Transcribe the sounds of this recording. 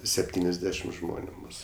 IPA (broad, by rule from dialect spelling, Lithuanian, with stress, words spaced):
sʲɛpʲˈtʲiːnʲɛzʲˌdʲæːʃʲɪm ˈʒmoːnʲʊ ˈmuːsʊ